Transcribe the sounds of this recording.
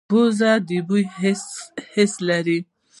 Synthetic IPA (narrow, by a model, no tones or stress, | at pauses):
ɔzad̪ibuj | hɛslaɾi